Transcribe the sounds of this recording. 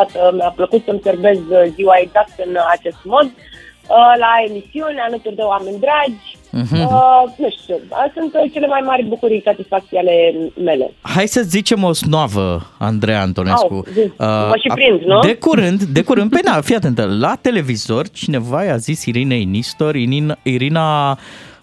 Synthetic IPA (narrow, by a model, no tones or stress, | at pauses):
at̪əmeapləkut̪səmserbe̞zziwaeɡzak̚t̪ɨnat͡ʃe̞st̪mo̞d̪ | əlae̞misiunʲalət̪urd̪eoame̞nʲd̪ɾad͡ʒ̩ʲ | ɦənuʃt̪uəsunt̪t͡ʃe̞le̞majmaɾʲbukuɾijsat̪isfak̚t̪siale̞me̞lḛhajsəzit͡ʃe̞mo̞snoavə̰a̰nd̪ɾeja̰nt̪o̞neskṵziəəʃipɾind̪nud̪e̞kuɾɨnd̪d̪e̞kuɾɨnd̪penafijat̪e̞nt̪əlat̪e̞le̞vizo̞rt͡ʃine̞vaeazisiɾineinist̪o̞riiɾina